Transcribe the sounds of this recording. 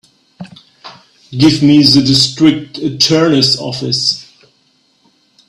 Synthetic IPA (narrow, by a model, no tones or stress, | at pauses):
ɡɪvmiðədɪstɹ̥ɪk̚tʰɨtʰɜ˞nɨsɔ̰fɪs